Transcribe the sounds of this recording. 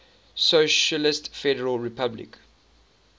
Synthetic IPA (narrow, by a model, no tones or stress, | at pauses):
soʃəlɪstfɛɾəɹəlɹipʰablḭk